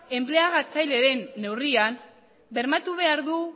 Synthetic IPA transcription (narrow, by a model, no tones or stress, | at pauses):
e̞mple̞aɣat͡sajle̞ɾe̞nːe̞wrian | be̞ɾmat̪uβ̞e̞aɾðu